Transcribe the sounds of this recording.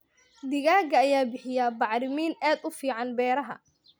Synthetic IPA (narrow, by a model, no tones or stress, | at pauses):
d̪ɪɣaːɡɐːjaːbɪħɪjabɑʕɾɪmiːnaːd̪ʊfiːʕɑnbɛːɾɐɦɐ̰